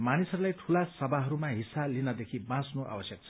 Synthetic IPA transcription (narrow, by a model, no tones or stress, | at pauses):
manisʌɾulajʈʰulasʌbʱaɦʌɾumaɦisːalinʌd̪ekʰibãsnoʔa̰bʌsjʌk̚t͡sʰʌ̥